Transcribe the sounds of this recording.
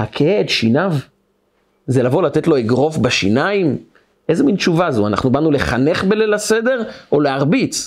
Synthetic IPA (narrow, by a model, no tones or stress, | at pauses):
hakʰeeedʃinav | zelavo̞lat̪etlo̞eɡʁo̞fbaʃinaim | ʔezemintt͡ʃuvazuana̰χnubanule̞χane̞χbelelasede̞ʁoleaʁbit͡s